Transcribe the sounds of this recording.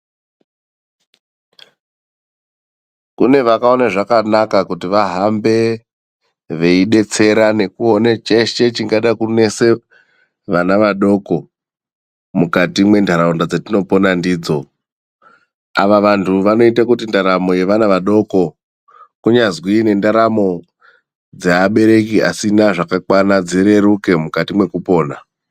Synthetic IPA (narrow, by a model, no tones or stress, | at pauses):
kune̞ʋakao̞naʐakanakakutiʋaɦambe̞ | ʋe̞iɗe̞t͡se̞ɾane̞kuonet͡ʃeʃe̞t͡ʃiŋɡaɗakune̞se̞ | ʋanaʋaɗo̞ko̞ | mukatimwe̞ndʱaɾaundad͡zatino̞po̞nandiːd͡zo̞ | aʋaʋantʰuʋano̞itakutindaɾamo̞je̞ʋanaʋaɗo̞ko̞ | kuɲazwine̞ndaɾamo̞ | d͡zeaɓe̞ɾe̞kia̰sinaʐakakwanad͡ziɾe̞ɾuke̞mukatimwe̞kupo̞ːna